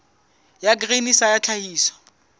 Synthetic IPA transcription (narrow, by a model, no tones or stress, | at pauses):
jak̬ʼrenisajat͡ɬʰahiːsɔ̥